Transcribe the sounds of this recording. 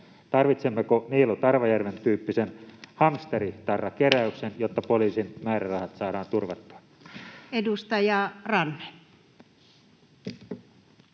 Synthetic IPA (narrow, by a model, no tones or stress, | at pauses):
t̪ɑrʋit̪semːekoniːlːot̪ɑrʋɑjærʋent̪yːpːisenhɑmst̪erit̪ɑrːɑkeɾæyksenjot̪ːɑpoliːsinmæːɾærɑhɑt̪sɑːɾɑːnt̪urʋɑt̪ːu̥ɑ̥n | edust̪ɑjɑrɑnːe̥